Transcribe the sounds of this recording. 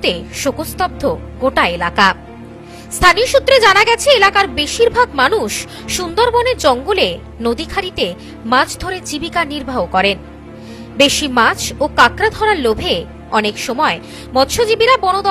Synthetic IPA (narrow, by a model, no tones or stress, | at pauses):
t̪eʃokost̪ɔb̚d̪ʱoɡoʈaelaka | st̪ʰanioʃut̪ːɾed͡ʑanaɡɛt͡ɕʰeelakaɾbeʃiɾbʱaɡmanuʃ | ʃund̪oɾboneɾd͡ʑɔŋɡole | nod̪ikʰaɾit̪e | mat͡ɕʰd̪ʱoɾed͡ʑibikaniɾbʱaɦokɔɾen | beʃimat͡ɕʰokakɾad̪ʱɔɾaɾlobʱe | ɔnekʃɔmɔe | mɔt̪ʃod͡ʑibiɾabɔnod̪ɔ